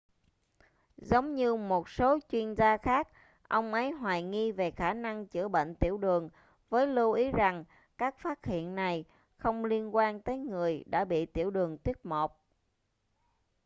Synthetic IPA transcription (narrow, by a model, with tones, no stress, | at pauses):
zə˨˦wŋ͡mɲɨ˧mo˨˩t̚so˨˦t͡ɕwi˧ənzaː˧xaː˦˥k̚ | ʔə˧wŋ͡mʔə˨˦jɦwaː˨˩jŋi˧ve˨˩xaː˧˩na˧ŋt͡ɕɨ̰˧˩əɓə̰˧˨ŋ̟t̪ḭ˧˩əwɗɨ˨˩əŋ | vəː˨˦jlu˧ʔi˨˦za˨˩ŋ | kaː˦˥k̚faː˦˥t̚hḭ˧˨ənːa˨˩j | xə˧wŋ͡mli˧ənkwaː˧nt̪əː˨˦jŋɨ˨˩əjɗa̰ː˧˥ɓḭ˧˨t̪ḭ˧˩əwɗɨ˨˩əŋt̪wi˦˥ət̚mo˨˩k͡p̚